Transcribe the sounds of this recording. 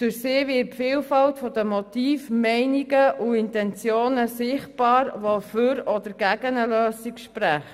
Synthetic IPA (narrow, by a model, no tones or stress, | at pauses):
d̥ʉɾsɪːʋɪpfiːlfɑltfɔd̥̪əmɔtiːfmɛɪniɡəʔuɪntɛnt͡sjoːnəsɪχt̚b̥ɑːɾʋɔføɾɔd̪əɾɡ̥æɡ̥ənəløːsikʃpɾæχt